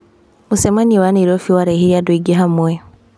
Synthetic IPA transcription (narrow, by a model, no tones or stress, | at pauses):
musemaniwaneɾofiwaɾehiɾiadweɡiɦamwe